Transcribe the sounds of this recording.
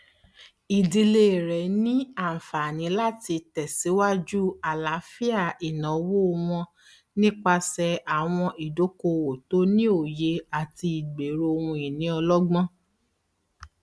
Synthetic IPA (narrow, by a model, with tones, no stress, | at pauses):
i˨di˧le˧˨ɾɛ˨nĩ˦ã˦˨fa˨nĩ˨˦la˦ti˧tɛ˨si˨˦wa˦d͡ʒu˦a˨la˨˦fi˦a˦˨i˨nã˨˦wo˦˧w̃ɔ̃˧ | nĩ˦k͡pa˧sɛ˧a˨w̃ɔ̃˧ʔi˨do˨˦ko˧wo˨to˨˦nĩ˦o˦˨je˧a˨ti˧i˨ɡ͡be˨ɾo˧o˧wũ˧i˨nĩ˨˦ɔ˧lɔ˦ɡ͡bɔ̃˦